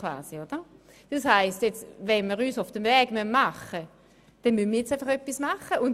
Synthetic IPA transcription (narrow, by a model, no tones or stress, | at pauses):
va̰ːsiod̥ə | d̥ɑshaɪstjɛt͡svɛnmiːʁyːsʊfd̥əmvɛːɡ̥mœnmaχə | d̥ɛnmynmiːʁjɛt͡saɪfɐχøpːismaχəʔʊn